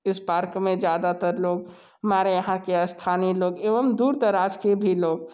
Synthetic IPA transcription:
ɪspaːɾkmẽd͡ʒjaːd̪at̪əɾloːɡ | ɦmaɾejəɦãkeɐst̪ʰaːniloːɡeːʋəmd̪uːɾt̪əɾaːd͡ʒkebʱiloːɡ

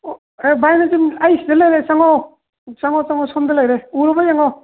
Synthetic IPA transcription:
ebajnazinajsidelajɾesaŋɔ | saŋɔt͡ʃaŋɔsɔndalajɾeuɾɔbajaŋɔ

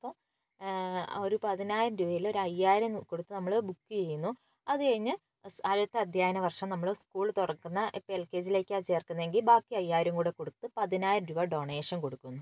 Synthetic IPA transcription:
ɐpːom | oɾupɐðinaːjɐmɾuʋɐjilo̞ɾuɐjːaːɾɐmko̞ɽut̪ːɨnɐmːɐɭobukːɨt͡ɕe̞jːunːu | ɐðɨkɐɻiɲːɨ | ɐlɐt̪ːɐɐd̪ʱjaːjɐnɐʋɐrʂɐmnɐmːɐɭoskuːɭt̪oɽɐkːunːɐʔpːelke̞ːd͡ʑile̞ːkʲːɨat͡ɕe̞ːrkːunːɐe̞ŋɡilbaːkːiɐjːaːjɾɐmkuːɽe̞ko̞ɽut̪ːɨpɐðinaːjɾɐmɾuʋɐɖo̞ːɳe̞ːʂɐnko̞ɽukːunːu

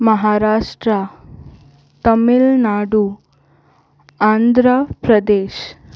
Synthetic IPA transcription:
mɐɦaːɾaːʂʈɾa | t̪ɐmilnaːɽu | taːnd̪ʱɾəpɾɐd̪eːʃ

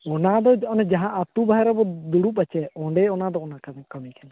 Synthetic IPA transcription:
ɔnad̪ɔd͡ʒɔʔɔnɛd͡ʒaɦãʔat̪ubaɦɛɾabɔd̪uɽupat͡ʃɛɔ̃ɳɖɛɔnad̪ɔɔnakakəmikɛna

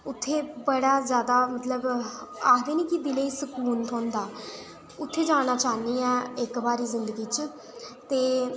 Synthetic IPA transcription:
ʊt̪ʰːeːbəɽaːzjaːd̪aːmət̪ləbaːd̪iːnĩːkib̪ɪleiːsəkuːnt̪ʰõːnd̪aː | ʊt̪ʰːeːd͡ʒaːɽ̃aːt͡ʃaːniːɛ̃ːɪkbaːɾiːzɪnd̪əɡiːt͡ʃ | t̪eː

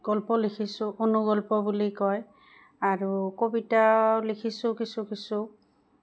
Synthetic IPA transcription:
ɡ̥ɔlpɔlikʰisʊ̃ʔonuɡɔlpɔbulikɔj | aɹukobitalikʰisʊkisʊkisʊ

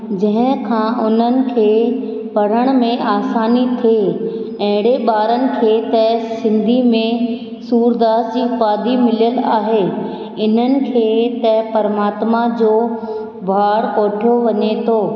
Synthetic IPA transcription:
d͡ʑɐ̃ɦɪ̃kʰãːʔʊn̤ənɪ̆kʰeː | pɐɽ̤əɽ̃mẽaːsaːnit̪ʰeː | ɛ̃ɦɪ̃ɽ̤eɓaːɾənɪ̆kʰeːt̪ɛɦsɪ̃nd̪ʱimẽ | suːɾd̪aːsd͡ʑiːpaːd̪imɪlijəlaːɦe | ɪn̤ənɪ̆kʰeːt̪ɛɦpɐɾmaːt̪mad͡ʑoː | bʱaːɽoːʈʰjoʋɐɲet̪ʰoː

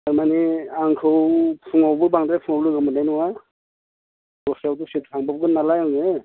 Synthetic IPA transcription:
aɾmaniaŋkʰɯwpʰuŋawbɯbaŋdɾapʰuŋawlɯɡɯmanajnuwa | dɔsawdusitsʰaŋbap̚ɡɯnalajawŋe

